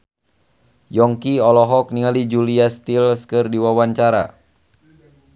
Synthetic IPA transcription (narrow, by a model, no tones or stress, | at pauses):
jɔŋkiɔlɔɦɔk̚niŋalid͡ʒuliast̪ilskɨrdiwawaɲt͡ʃaɾa̰